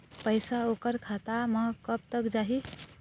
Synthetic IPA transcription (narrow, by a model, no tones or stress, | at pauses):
pəjsaokəɾkʰat̪amə̃kəp̚t̪əkd͡ʒaɦi